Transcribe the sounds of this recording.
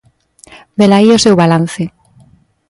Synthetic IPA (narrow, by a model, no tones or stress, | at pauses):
b̪elaiosewβalan̟θe